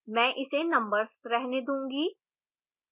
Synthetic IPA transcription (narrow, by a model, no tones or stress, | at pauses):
mɛ̃ːʔɪsenɐ̃mbəɾzɾɛɦned̪ũːŋɡiː